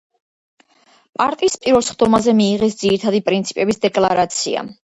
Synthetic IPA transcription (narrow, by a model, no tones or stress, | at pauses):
pʼaɾt̪ʼiːspʼiɾvɛlˠsχd̪ɔmazɛmiːʁɛsd̪z̥iɾit̪ʰad̪ipʼɾint̪sʰipʼɛbisd̪ɛkʼlˠaɾat̪sʰḭa̰